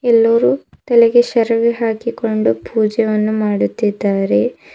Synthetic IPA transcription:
ɛlːɐɾuː | t̪ɐlɛɡeʃɐɾɐʋiɦaːkiko̞ɳɖupʰuːd͡ʒɐʋɐnːumaːɽut̪ːid̪ːaːɾe̞

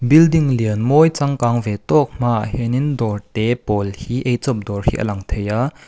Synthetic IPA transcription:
bildiŋliənmɔjt͡saŋkaŋvɛt̪ɔk̚m̥aʔhɛnindɔrt̪ɛpɔlhiʔejt͡sɔp̚dɔrhḭːʔə̰lɐŋt̪ʰejaː

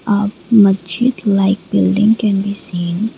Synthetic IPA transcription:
ʔap̚məd͡ʒit̪lajk̚b̥ildɪ̰̃ŋkɛnbisin

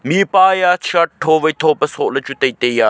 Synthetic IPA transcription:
miːpaːjaːʃʰɐʈ̚ʈʰːoːʋɐjt̪ʰoːpɐsoːlɐt͡ʃut̪ɐit̪ejaː

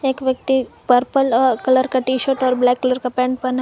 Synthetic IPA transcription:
eːkʋjɐk̚t̪ipəɾpəlɔːɾkɐləɾkaʈiːʃəɾʈɔːɾblɛːkːɐləɾkapɛ̃ːɳɖ̚pɐn

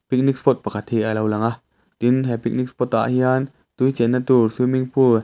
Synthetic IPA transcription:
pik̚nik̚spɔt̪̚pakʰat̪hiʔalɐwlaŋaʔ | t̪inɦɛpik̚nik̚spɔt̪̚a̰ʔhian | t̪ujt͡sɛnːat̪urswimiŋpʰu

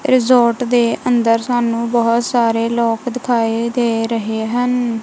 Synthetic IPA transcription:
ɾɪzoːɾʈd̪eːʔənd̪əɾsaːnũːbəɦʊt̪saːɾeːloːkd̪ɪkʰaːiːd̪eːɾəɦeːɦən

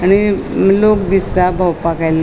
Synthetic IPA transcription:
aɽ̃ilokd̪ist̪abʱawpakajl

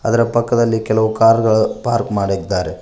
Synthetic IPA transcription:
ɐd̪ɐɾɐpɐkːɐd̪ɐlːikɛlɐʋukaːɾɡɐɭupaːɾkmaːɽid̪ːaːɾe

